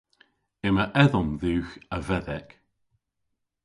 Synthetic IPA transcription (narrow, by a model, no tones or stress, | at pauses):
ɪməʔɛðɔmðʉːxəvɛðɛk